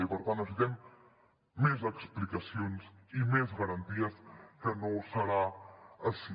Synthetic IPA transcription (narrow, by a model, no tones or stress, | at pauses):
ipəɾt̪anəzuðɛmː | ezəksplikəsionsimezɣəɾənt̪iəskənosəɾaəʃi